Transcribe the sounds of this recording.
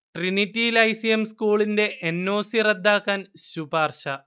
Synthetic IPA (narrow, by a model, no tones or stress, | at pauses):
ʈrinitːilɐjsijemskuːɭinde̞ʔʔenːo̞ːsirɐd̪ːaːkːaːnɕubaːrɕɐ